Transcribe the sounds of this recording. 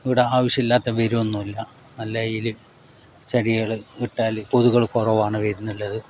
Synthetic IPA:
iʋiɽe̞aːʋɐɕjɐmilːaːt̪ːɐʋɐɾumonːumɐlːɐ | nɐlːɐjilɨ | t͡ɕɐɽiɣɐɭɨiʈːaːlpoðuɣɐɭkorɐʋaːɳɨʋeɾinːuɭːɐðɨ

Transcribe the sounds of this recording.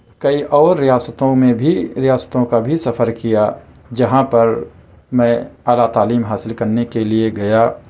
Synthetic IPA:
kɐiʔɔːɾːijaːsət̪õmẽbʱiɾijaːsə̥t̪õkabʱisɐfʰəɾkija | d͡ʒɐɦãpɐɾ | mɛ̃aːlat̪aːliːmɦaːsɪlkɐɾnekelieɡɐjaː

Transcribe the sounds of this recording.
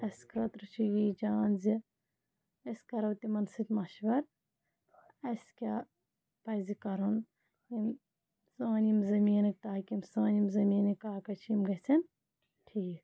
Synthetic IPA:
ɐskɾɐt̪ɾɐt͡ʃʰijiːd͡ʒaːnzi | ɐsʲkɐɾɐwt̪imɐnsɨt̪ʲmɐʃbɐɾ | ɐskʲaː | pɐjzikɐɾon | im | saːnimzɐmiːnɨk̚t̪aːkʲimsaːnʲimzɐmiːnɨkkaːkɐt͡ʃʰimɡɐt͡sʰɐn | ʈʰiːk

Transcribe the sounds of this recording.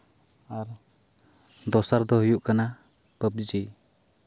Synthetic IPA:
aɾ | d̪ɔsaɾd̪ɔɦujuʔkana | pəp̚d͡ʒi

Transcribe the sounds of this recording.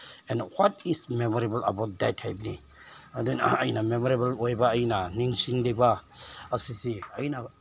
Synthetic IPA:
ɛ̃nwatismemoɾebəlɐbawt̚dɛtʰːajpni | adenɐjnamemoɾebɐlojbaːjnaniŋsiŋlebaɐsisiɐjna

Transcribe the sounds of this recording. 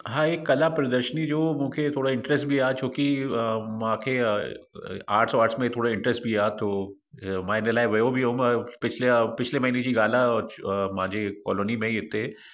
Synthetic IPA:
ɦãːeːkːɐlapɾɐd̪əɾʃənid͡ʒoːmʊ̃ːkʰet̪ʰoːɽaɪ̃ɳʈɾɛsʈbʱiaːt͡ʃoːkimãːkʰe | aːɾʈʰsoaːɾʈsmẽt̪ʰoːɽaɪ̃ɳʈɾəsʈ̚bʱiaːt̪oː | maːɦinelaːeʋeobʱiɦompɪt͡ʃʰlepɪt͡ʃʰlemɐɦined͡ʒiɡaːlaɔːɾmãːd͡ʒekɔ̰ːlonimẽiɪt̪ːe

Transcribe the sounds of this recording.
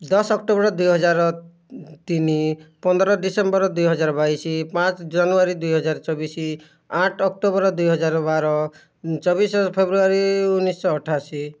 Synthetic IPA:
d̪ɔsɔkʈobɔɾɔd̪ujɦɔd͡ʒaɾɔ | t̪inipɔnd̪ɔɾɔɖisembɔɾɔd̪ujɦɔd͡ʒaɾɔbajsipãt͡ʃd͡ʒanuaɾid̪ujɦɔd͡ʒaɾɔt͡ʃɔbisi | aʈʰɔk̚ʈobɔɾɔd̪ujɦɔd͡ʒaɾɔbaɾɔ | t͡ʃɔbisɔpʰebɾuaɾiunːisɔːʈʰasi

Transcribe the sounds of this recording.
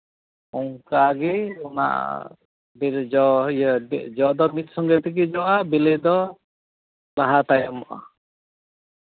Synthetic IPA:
ɔŋkaɡiɔna̰ʔ | biɾd͡ʒɔ | d͡ʒɔd̪ɔmit̪̚sɔŋɡɛt̪ɛk̬id͡ʒɔʔabilɛd̪ɔ | laɦat̪ajɔmɔʔa̰

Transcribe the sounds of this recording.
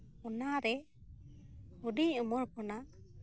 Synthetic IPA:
ɔnaɾɛ | uɖiɲumɔɾkɔna

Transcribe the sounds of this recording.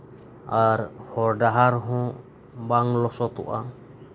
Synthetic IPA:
aɾhɔɾɖaɦaɾɦɔ̃ | baŋlɔsɔt̪ṵʔa

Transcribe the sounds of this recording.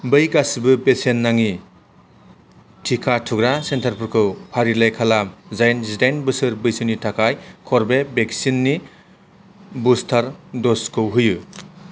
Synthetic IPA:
bɯjɡasibɯbesenːaŋi | tʰikʰatʰuɡɾasentʰaɾpʰɯɾkʰɯwpʰaɾilajkʰalazajnzidajnbɯsɯɾbɯjsɯnitʰakʰajkʰɔɾbebeksinːi | bustʰaɾdɔskʰɯwɦɯjɯ

